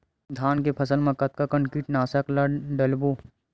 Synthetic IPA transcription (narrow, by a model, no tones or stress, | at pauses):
d̪ʱaːnkepʰɐsəlmẽkɐt̪̚kakəɳkiːʈnaːsəklaɖɐlboː